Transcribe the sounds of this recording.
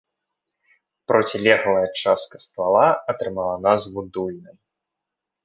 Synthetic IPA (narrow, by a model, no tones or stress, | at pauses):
pɾɔt͡sʲilʲɛɣɐlˠɐjɐt͡ʂaskɐst̪valˠaɐt̪ɾɨmalˠɐnazvud̪ulʲnɨm